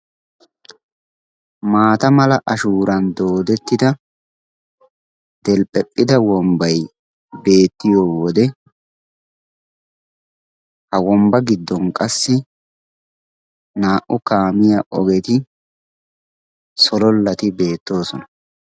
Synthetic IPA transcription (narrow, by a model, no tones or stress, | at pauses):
maːt̪ɐmɐlɐʔɐʃuːɾɐnd̪o̞ːd̪ɛt̪ːɪd̪ɐ | d̪̥ɛlpʼɛpʼːɪd̪ɐwɔmbɐj | be̞ːt̪ːɪjɔwɔd̪ɛ | hɐwɔmbɐɡɪd̪ːɔnkʼɐsːɪ | naːʔʊkaːmɪjɐʔɔɡɛt̪ɪ | sɔlɔlːɐt̪ɪbe̞ːt̪ːo̞ːsɔnɐ̥